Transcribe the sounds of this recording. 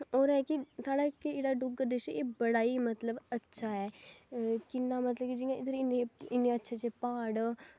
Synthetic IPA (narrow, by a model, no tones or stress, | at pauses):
oːɾɛːkisaːɽaːkeeːɽaɖʊɡəɾd̪eʃeːbəɽaːimət̪ləbətːʃʰaɦɛː | kɪnːaːmət̪ləbkid͡ʒɪjãɪd̪əɾɪneɪnːeətːʃʰat͡ʃepaːɽ